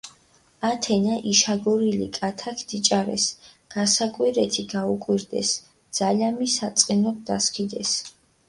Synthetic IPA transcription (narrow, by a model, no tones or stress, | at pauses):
at̪ʰɛnaʔiʃaɡɔɾilḭkʼat̪ʰakʰd̪̥it͡ʃʼaɾɛ̰s | ɡ̥asakʼwiɾɛt̪ʰiɡaukʼwiɾd̪ɛ̰s | d̪z̥alamisat̪sʼqʼinɔd̪̥askʰid̪ɛs